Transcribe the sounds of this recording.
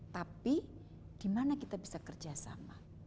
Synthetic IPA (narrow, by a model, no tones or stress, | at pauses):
t̪api | d̥imanakit̪abisakərd͡ʒasa̰ma̰